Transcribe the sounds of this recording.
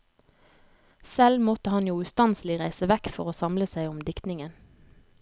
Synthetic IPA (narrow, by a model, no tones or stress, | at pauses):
sɛlmɔt̪əhɑnjuːʉːst̪ɑnslɪʁæɪsəʋɛkfɔʁoːsɑmləsæɪɔmd̪ɪkt̪nɪŋən